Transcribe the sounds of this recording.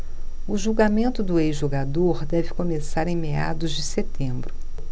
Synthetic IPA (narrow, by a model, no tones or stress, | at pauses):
ʊʒuwɡamẽnt̪ʊd̪ʊejzʒoɡad̪oɾd̪ɛvɪkomesaɾẽj̃mea̰d̪ʊzd͡ʒɪset̪ẽbɾʊ